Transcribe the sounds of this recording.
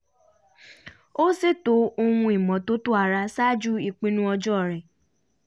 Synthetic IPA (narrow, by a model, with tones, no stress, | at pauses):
o˦se˦˨to˨˦o˧hũ˧i˨mɔ̃˨to˦to˦a˧ɾa˧sa˦d͡ʒu˦i˦˨k͡pĩ˨˦nũ˦ɔ˧d͡ʒɔ˦˨ɾɛ˨